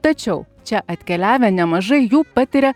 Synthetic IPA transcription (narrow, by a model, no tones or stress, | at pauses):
t̪ɐt͡ʃʲɛʊt͡ʃʲɛʔɐt̪ʲkʲɛlʲæːʋʲɛnʲɛmɐʒɐɪjuːpɐt̪ʲɪɾʲɛ